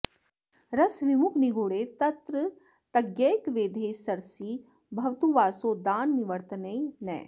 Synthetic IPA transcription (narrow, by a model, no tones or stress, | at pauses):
ɾɐsʋimukʰniɡʱoːɽet̪ɐt̪ɾə | t̪ɐɡjeːkʋeːd̪ʱeːsɐɾsiː | bʱɐʋt̪uʋaːsoːd̪aːnːiʋɐɾt̪ənejnɛ̰ː